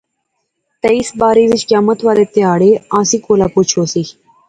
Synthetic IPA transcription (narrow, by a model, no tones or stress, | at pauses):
t̪ɐisbaːɾiːzit͡ʃkjaːmət̪ʋaːɾeːt̪eaːɽeãːsikoːlaːput͡ʃʰoːsi